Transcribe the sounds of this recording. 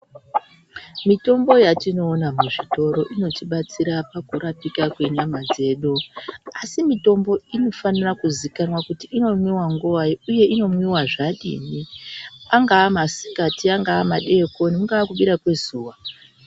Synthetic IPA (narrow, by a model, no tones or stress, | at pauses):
mito̞mbo̞jatino̞ːnamuʐito̞ɾo̞ʔino̞tiɓat͡siɾapakuɾapikakwe̞ɲamad͡ze̞ːɗuasimito̞mbo̞ino̞fanirakuzikanwakutiʔːno̞mwiwaŋɡuaiuje̞ʔino̞mwiwaʐaɗḭːniaŋɡaːmasi̥katiaŋɡaːmaɗe̞ko̞nimuŋɡaːkuɓiɾakwe̞zuːwa